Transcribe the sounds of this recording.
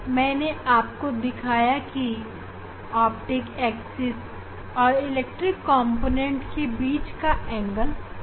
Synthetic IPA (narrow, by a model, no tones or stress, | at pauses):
mɛ̃ːneaːp̚kod̪ɪkʰaːjaki | aːpʈɪkɛːksɪs | ɔːɾɪlek̚ʈɾɪkːɔ̃ːmpoːnẽɳʈkebiːt͡ʃkaɛ̃ːŋɡəl